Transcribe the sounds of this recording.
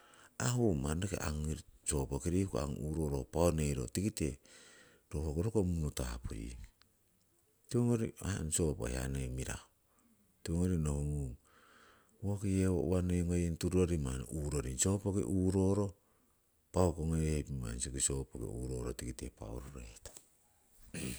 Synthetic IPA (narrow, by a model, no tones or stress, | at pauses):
ahomanekḛʔaŋɾso̞pokiɾikua̰ŋṵːɾoɾopaonejɾo̰tikite | ɾohokoɾokomunotapʰo̰jḭ | tioŋoɾianso̞po̰hea̰nemiɾa̰o | tioŋoɾinohumu | wokieo̰βaneŋojentuɾuoɾimanuːɾoɾinso̞pokḛʔuːɾo̞ɾo̞ | paokoŋehepima̰nsokiso̞pokḛuɾo̞ɾotikitḛpa̰o̰ɾoɾetḁ